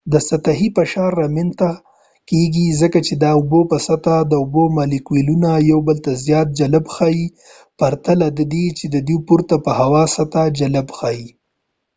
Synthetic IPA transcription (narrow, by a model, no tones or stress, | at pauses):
d̪əsat̪aɦipəʃɑɾːamɪnt̪a | keɡizəkat͡ʃed̪ɑʊbopəsat̪ad̪əʊbomɑlikwilunajawbəlt̪azjɑt̪̚d͡ʒaləbxai | paɾt̪alad̪əd̪et͡ʃed̪əd̪ipuɾt̪apəhawɑsat̪ad͡ʒaləbxɑji